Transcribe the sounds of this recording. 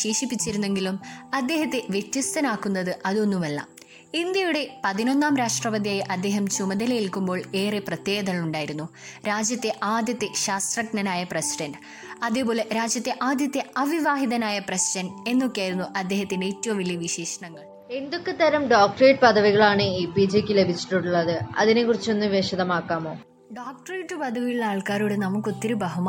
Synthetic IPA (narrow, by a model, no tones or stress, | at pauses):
ɕeːʂipːit͡ɕːiɾunːeŋɡilumɐd̪ːe̞ːɦɐt̪ːe̞ʋjetːist̪ɐnaːkːunːɐðɨʔɐðo̞nːumelːɐ̰m | ind̪jɐjuɽe̞pɐðino̞nːaːmɾaːʂʈrɐʋɐd̪ijaːjɐʔɐd̪ːe̞ːɦɐmt͡ɕumɐd̪ɐlɐjilkumbo̞ːɭe̞ːreprɐt̪je̞ːɡɐðɐɭuɳɖaːjiɾunːuɾaːd͡ʑjɐt̪ːe̞ʔaːd̪jɐt̪ːeɕaːst̪rɐknɐnaːjɐprɐsiɖɐnɖ | ɐðepo̞ːleɾaːd͡ʑjɐt̪ːeʔaːd̪jɐt̪ːeɐʋiʋaːɦiðɐnaːjɐprɐsiɖɐne̞nːo̞kːjaːjiɾunːuʔɐd̪ːe̞ːɦɐt̪ːinɖeeːtːuʋɐmʋiljɐʋiɕeːʂɐɳɐŋːɐɭ | e̞nd̪o̞kːet̪ːɐɾɐmɖaːk̚ʈreːʈɨpɐd̪ɐʋiɣɐɭaːɳɨiːpiːd͡ʑekʲːɨle̞bʱit͡ɕːi̥ʈːuɽuɭːɐðɨɐ̰ðinekːurit͡ɕːo̞nːɨmʋeɕɐðɐmaːkːaːmo̞ː | ɖaːk̚ʈɐreːʈːɨpɐd̪ʱɐʋijuɭːaːɭkaːɾuɽenɐmukːo̞t̪ːiɾubɐɦɐm